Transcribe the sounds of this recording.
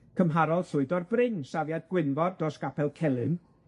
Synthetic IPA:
kʰəmɦaɾɔlˠɬʊɨdɔrbrɪŋsavjad̚ɡ̥wɪnvɔrdɔsɡ̥apʰɛlˠkʰɛlˠɨn

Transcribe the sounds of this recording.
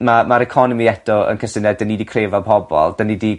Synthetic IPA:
mamaɾɛkʰɔnɔmiɛd̥ɔə̰nkʰəsɪnɛddənːidikʰreːvapʰɔbɔ̰lˠd̥ənidi

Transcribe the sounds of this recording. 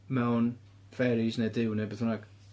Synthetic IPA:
mɛwn | fɛɾisnedɪwnebɛθʊnaɡ̥

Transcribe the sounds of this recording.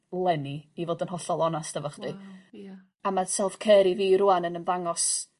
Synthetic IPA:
lˠɛniivoːdənɦɔɬɔlˠɔnastəvɔχdi | amasɛlˠfkʰɛːɾiviːɾʊanənənvaŋɔs

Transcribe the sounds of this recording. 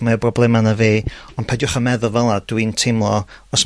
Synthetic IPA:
maəbrɔblˠɛmanaveːɔndpʰadjʊχamɛðʊlˠvɛlˠad̥wintʰɪmlˠɔɔs

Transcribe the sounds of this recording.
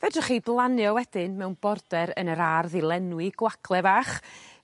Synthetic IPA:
vɛdɔχiblˠanjɔwɛd̥ɪnmɛwnbɔrdɛɾənəɾarðɪlˠɛnwɪɡ̥waɡlˠɛvaːχ

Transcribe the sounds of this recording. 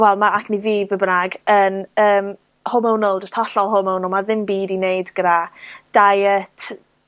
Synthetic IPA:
wɛlˠmaakʰniviːbəbənaɡənəːm | hʊmownʊlˠd͡ʒəstʰɔɬɔlˠɦʊməwnʊlˠmaðɪmbiːdinejdɡ̥əɾad̥ajətʰ

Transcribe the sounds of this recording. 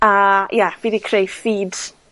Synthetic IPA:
ajɛv̥iːðikʰrejfiːd̥

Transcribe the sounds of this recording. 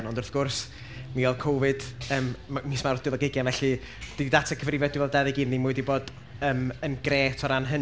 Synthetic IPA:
nɔndʊrθɡ̥ʊrs | mivɛlˠkʰowvɨd̥əːmmːismaɾdɪlˠɔɡɪɡjanvɛɬi | d̥idatʰakʰəvrɪvɛdivɛlˠdɛðɪɡiːðnimʊɨdiboːd̥ | əːmənɡreːtʰɔɾanɦən

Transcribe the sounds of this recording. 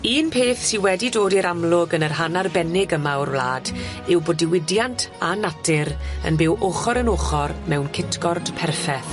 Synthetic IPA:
iːnpʰeːθsiwɛdidoːdiɾamlˠʊɡənərɦanarbɛnɪɡəmawrwla̰ːdɪwboːdɪwɪdjantʰanatʰɪɾə̰nbɪwʔoχɔɾənoːχɔrmɛwnkʰɪtʰɡɔrd̥pʰɛrfɛ

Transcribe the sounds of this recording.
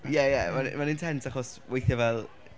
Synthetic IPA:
jɛjɛmamanɪntʰɛntʰaχɔswejθjɔvɛlˠ

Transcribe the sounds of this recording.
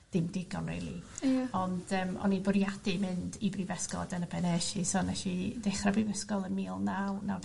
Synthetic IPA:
d̥ɪmdɪɡɔ̰nrḛjlˠḭɔnd̥əːmɔ̰nibʊɾjadɨmɨndibrivɛskɔ̰dənəbɛnɛʃisonɛʃideχrabrivɛskɔlˠənmiːlˠnawnaw

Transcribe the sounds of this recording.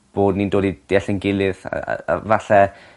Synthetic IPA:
b̥oːdnindoːdid̥eɛɬənɡɪlˠɨð̰vaɬɛ

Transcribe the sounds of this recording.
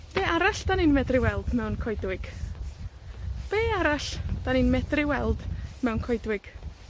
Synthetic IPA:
b̥eːaɾaɬd̥aninmɛdrɪwɛlˠdmɛwnkʰɔjdwɪɡ̥ | b̥eːaɾaɬd̥aninmɛdrɪwɛlˠdmɛwnkʰɔjdwɪɡ̥

